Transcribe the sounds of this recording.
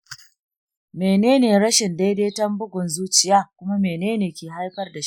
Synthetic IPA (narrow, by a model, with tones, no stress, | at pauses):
meː˨neː˦neː˨ɽɐ˦ʃɪ˨nda˦jdeː˦tɐ˦mbʊ˦ɡʷʊ˨nzuː˦t͡ʃɪ˦jaː˦kʷʊ˦ma˦meː˨neː˦neː˨kʲeː˨ɦa˦jɸɐ˦rda˨ʃ